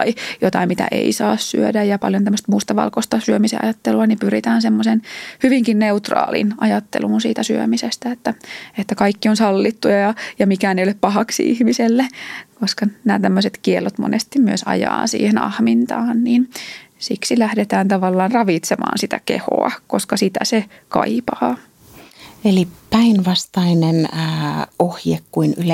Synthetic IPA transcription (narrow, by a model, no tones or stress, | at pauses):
ijot̪ɑimmit̪æ̰ʔḛisɑ̰ːssy̰ødæjjɑpɑ̰ljont̪æmːəst̪must̪ɑʋɑ̰lkost̪ɑsyømisḛɑ̰jɑt̪ːeluɑnipyrit̪æːnsemːosenhyʋiŋkinneut̪rɑ̰ːlḭnʔɑjɑt̪ːḛluːnsiːt̪æsy̰ø̰misest̪æet̪ːæet̪ːækɑikːionsɑlːit̪ːujɑjɑjɑmikæːneijoleppɑhɑksḭʔḭhmiselːekoskɑnæ̰ːt̪æmːøset̪kielːot̪mo̰nest̪immyøsɑ̰jɑ̰ːnsḭːhenɑ̰hmint̪ɑːnniːnsiksilæhdet̪æːnt̪ɑʋɑlːɑːnrɑʋit̪semɑ̰ːnsit̪æ̰kḛho̰ɑ̰koskɑsit̪æ̰sekɑ̰ipɑː | elipæinʋɑst̪ɑinenː | ohjekkːuinyl